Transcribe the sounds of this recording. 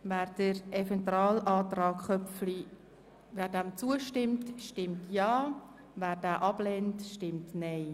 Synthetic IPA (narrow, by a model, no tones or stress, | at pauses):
væːɾd̥əɾɛfɛnt̪ɾɑːlɑːt̪rɑːkχœfli | væːɾdæmt͡suəʃtɪmtʃtɪmtjɑː | væːɾdæːʔɑb̥lɛːntʃtɪmtnɛɪ